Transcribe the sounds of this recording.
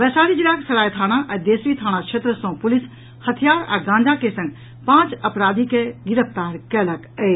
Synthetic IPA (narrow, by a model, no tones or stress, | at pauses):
ʋɛːsaːɾid͡ʒilaːksɐɾaːjt̪ʰaːɽ̃aʔɐd̪eːsɾit̪ʰaːɽ̃at͡ʃʰet̪ɾəsõːpulis | hɐt̪ʰijaːɾa̰ɡãːnd͡ʒakesɐ̃ŋɡ | pãːt͡ʃɐpɾaːd̪ʱikeɡiɾəpʰt̪aːɾkɛːləkəe